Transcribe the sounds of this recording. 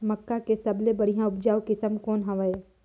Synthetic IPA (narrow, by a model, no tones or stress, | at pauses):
məkːakesɐblebəɽ̤ijãʊpd͡ʒaːʋkɪsəmkoːnɦɐʋəe